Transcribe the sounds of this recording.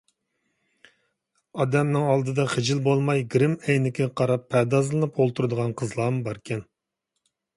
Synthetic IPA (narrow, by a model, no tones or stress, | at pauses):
ɑd̪ɛmnɨŋɑlˠd̪ɨd̪ɑχɪd͡ʒɪlbolˠmɑjɡɾɪmɛjnɪkʲʰɪqʰɑɾɑpʰːɛd̪ɑzlˠɨnɨpolˠt̪ʰuɾɨd̪əʁɑnqʰəzlˠɑmbɑɾkʲʰɛn